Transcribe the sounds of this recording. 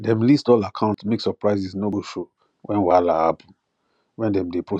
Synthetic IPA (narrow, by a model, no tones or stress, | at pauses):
dɛ̃mlistɔlakʰãʊ̃ntmeksɔpɹaɪzisnoboʃo | wʔɛ̃nwalaa̰pʰɔ̃n | wɛ̃ndɛ̃mdepʰɹo